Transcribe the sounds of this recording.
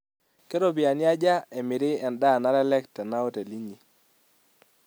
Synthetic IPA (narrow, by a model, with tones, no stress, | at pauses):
ke˦ɾo˦˨bɪ˨a˨nja˦d͡ʒa˦ɛ˨mɪ˨ɾɪ˦ɛ˨nda˦˨na˦ɾɛ˦lɛ˦ktɛ˨na˦o˦te˨li˦ɲi˨